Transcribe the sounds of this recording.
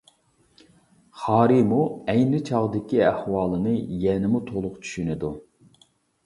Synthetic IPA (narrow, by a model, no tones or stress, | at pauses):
χɑːɾimuɛjnɪt͡ʃʰɑʁd̪ɪkʲiæhwɑːlˠɨnɨjɛnɪmut̪ʰolˠʊqt͡ʃʰy̥ʃynɪd̪u